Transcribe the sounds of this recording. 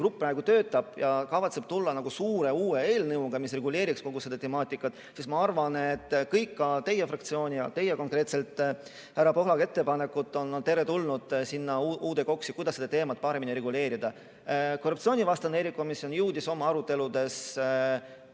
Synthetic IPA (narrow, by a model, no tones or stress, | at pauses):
krupːæeɡ̥ut̪ø̞ːt̪ːˑɑb̥jɑkɑvɑt̪se̞b̥t̪ulːɑnɑɡ̥usuːɾe̞uːe̞e̞ːlnɯwɡ̥ɑmis̬re̞ɡule̞ːɾiksko̞ɡ̥used̪ɑt̪e̞mɑːt̪ːˑikːˑɑt̪ːˑ | sismɑɑrvɑnet̪ːkɤjkːɑt̪e̞jːe̞frɑk̚t̪sio̞ːnʲijɑt̪e̞jeko̞ŋkrɾe̞ːt̪se̞lt̪ˑː | hæɾɑpo̞ɦlɑɡe̞t̪ːe̞pɑne̞kːˑut̪ːˑo̞nːt̪e̞ɾet̪ulnud̪̥sinːɑʔuːd̪e̞ko̞ksikujd̪ɑsed̪ɑt̪e̞ːmɑt̪̚ːˑpɑɾe̞miniɾe̞ɡule̞ːɾid̪̥ɑ | korːupt̪sio̞ːnʲivɑst̪ɑneɾiko̞misio̞njuːd̪iso̞mɑɑɾut̪ːˑe̞lud̪e̞s